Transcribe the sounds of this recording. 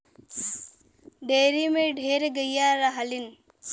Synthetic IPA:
ɖʱeːɾimeɖʱeːɾɡəjaɾɐɦəlin

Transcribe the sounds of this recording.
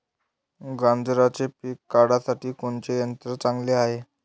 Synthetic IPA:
ɡãnd͡zɾat͡sepikːaɽasaʈiːkoɳt͡ɕejənt̪ɾət͡sãŋɡleaɦe

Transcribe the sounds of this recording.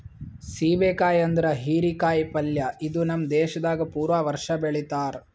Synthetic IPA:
siːbeːkaːjɐnd̪ɐɾɐɦiːɾikaːjpɐljɐid̪unɐmd̪ɛːʃɐd̪aːɡɐpuːɾʋaːʋɐɾʂɐbeɭit̪aːɾ

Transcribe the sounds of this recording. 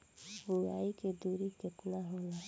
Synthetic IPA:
bujaːiked̪uːɾikekʊlaɦola

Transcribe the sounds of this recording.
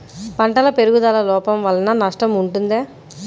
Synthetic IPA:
pɐɳʈɐlɐpe̞ɾuɡud̪ɐːlɐlɔːpɐmʋɐlːɐnɐnɐʂʈɐmuɳʈund̪eː

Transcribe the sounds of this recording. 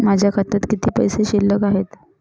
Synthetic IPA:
mad͡ʑʱjakʰət̪at̪kit̪ʰiːpə̰jseɕilːəkaɦet̪

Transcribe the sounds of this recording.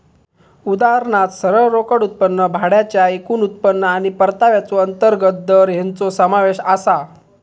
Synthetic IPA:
ud̪aɦəɾɳat̪səɾəɭɾokəɽut̪̚pənːəbʱaɽjat͡ɕjaekuːnut̪̚pənːəaɽ̃ipəɾt̪aʋjat͡soənt̪əɾɡət̪̚d̪əɾɦant͡sosəmaʋeɕasa

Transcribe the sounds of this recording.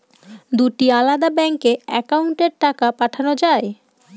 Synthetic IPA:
d̪uʈialad̪abɛŋkeɛkauɳʈeɾʈakapaʈʰanod͡ʑae

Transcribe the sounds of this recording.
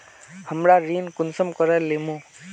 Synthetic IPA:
həmɾaɾiːnkʊnsəmkɔɾɛlemũ

